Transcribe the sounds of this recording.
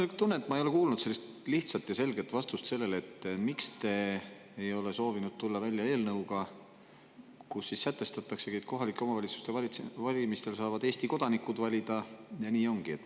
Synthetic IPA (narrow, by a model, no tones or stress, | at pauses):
ekt̪unːeet̪ːˑmɑejo̞le̞kuːlnud̪̥se̞lːist̪ | liht̪sɑt̪jɑse̞lɡ̥e̞t̪vɑst̪ust̪se̞lːe̞le̞t̪ːˑmikst̪e̞ | ejo̞le̞so̞ːvinud̪̥̚t̪ulːɑvælʲjɑe̞ːlnɤuwɡ̥ɑ | kusːisːæt̪ːˑe̞st̪ɑt̪ːˑɑksekejk̪̚ko̞ɦɑlikːˑeo̞mɑvɑlʲit̪su̥st̪e̞vɑvɑlʲimist̪e̞lsɑːvɑd̪e̞ːsʲt̪iko̞d̪̥ɑnikud̪vɑlʲid̪̥ɑjɑniːo̞ŋɡ̥ie̞t̪ː